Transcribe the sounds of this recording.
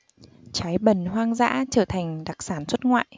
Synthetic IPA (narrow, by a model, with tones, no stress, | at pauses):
t͡ɕaː˨˦jɓə˨˩nɦwaː˧ŋza̰ː˧˥t͡ɕəː˧˩t̪ʰa˨˩jŋ̟ɗa˨˩k̚saː˧˩nswə˦˥t̚ŋwa̰ː˧˨j